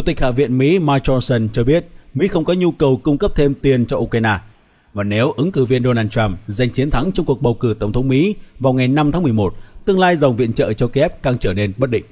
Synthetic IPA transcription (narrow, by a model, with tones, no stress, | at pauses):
t͡ɕt̪ï˨˩k̚ha̰ː˧˨vḭ˧˨ənmḭ˧˥maː˧jt͡ɕɔ˧nsə˧nt͡ɕɔ˧ɓi˦˥ət̚mḭ˧˥xə˧wŋ͡mkɔ˨˦ɲu˧kə˨˩wkʊ˧ŋ͡mkə˦˥p̚t̪ʰe˧mt̪i˨˩ənt͡ɕɔ˧ʔu˧kɾaː˧jnaː˧ | vaː˨˩ne˨˦wʔɨ˨˦ŋkɨ˧˩vi˧ənɗo˧naː˧nt͡ɕa˧mza˨˩jŋ̟t͡ɕi˨˦ənt̪ʰa˨˦ŋt͡ɕɔ˧ŋ͡mku˨˩ək̚ɓə˨˩wkɨ˧˩t̪ə˧˩wŋ͡mt̪ʰə˨˦ŋ͡mmḭ˧˥vaː˨˩wŋa˨˩jna˧mʰaː˨˦ŋm˨˩əjmo˨˩t̚t̪ɨ˧əŋlaː˧jza˨˩wŋ͡mvḭ˧˨ənt͡ɕə̰ː˧˨t͡ɕɔ˧ki˧ʔɛ˦˥p̚kaː˧ŋt͡ɕəː˧˩ne˧nɓə˦˥t̚ɗḭ̈˧˨ŋ̟